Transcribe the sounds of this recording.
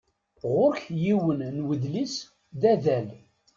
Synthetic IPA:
ʁʊɾçjiwənnwəðlis | ðæðæl

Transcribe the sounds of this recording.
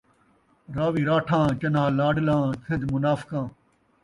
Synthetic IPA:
ɾaːʋiːɾaːʈʰãːt͡ɕɐnãːlaːɖlãːt̪ʰẽd̪mʊnaːfkãː

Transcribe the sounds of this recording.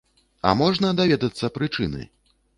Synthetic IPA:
a̰mɔʐnɐd̪avʲɛd̪ɐt̪sːɐpɾɨt͡ʂɨnɨ̰

